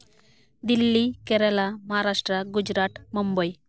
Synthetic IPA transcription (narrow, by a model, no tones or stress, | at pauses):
d̪ilːikɛɾɐlamɐɦaɾaːʂʈɾɐɡud͡ʒɾaːt̪mumbɐj